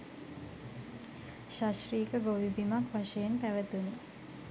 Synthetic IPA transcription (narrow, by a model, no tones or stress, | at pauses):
ʃaʃriːkəɡoʋibimakʋaʃəjenpæʋət̪uni